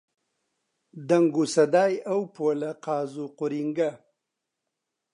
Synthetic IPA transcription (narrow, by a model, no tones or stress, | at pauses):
d̪aŋɡusad̪aːjawpoːlaqɑːzuqʊɾiŋɡa